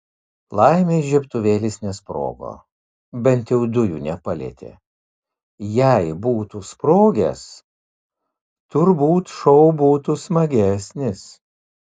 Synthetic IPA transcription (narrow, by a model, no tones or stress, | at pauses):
lˠɐɪmʲeːʒʲɛpt̪ʊʋʲeːlʲɪsnʲɛspɾo̰ːɡo̰ː | bʲɛnt̪jɛʊd̪ʊjṵːnʲɛpɐlʲḛːt̪ʲḛː | jɛɪbuːt̪uspɾoːɡʲḛs | t̪ʊɾbuːt̪ʃɔʊbuːt̪usmɐɡʲæsʲnʲɪs